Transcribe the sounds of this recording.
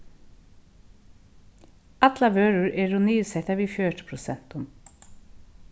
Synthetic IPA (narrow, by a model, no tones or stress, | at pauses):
ɑt̪lɑʋøːɹʊɹɛɾʊniːsɛt̪ɑʋiːføːʈə̥pʰɾʊsɛn̥t̪ʊm